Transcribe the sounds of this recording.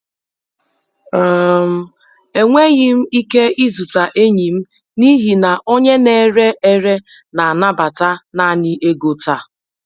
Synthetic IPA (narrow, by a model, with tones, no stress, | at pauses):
m̩˦ | e˨ŋʷe˦ɣɪ˦m̩˦i˦ke˦i˦zu˨ta˨ʔe˦ɲi˨m̩˦ | ni˦ɦi˨na˨ʔo˦ɲe˦ne˦ɾe˦ʔe˦ɾe˦ | na˨a˨na˦ba˨ta˦na˦˨nɪ˦ʔe˦ɡo˨ta˨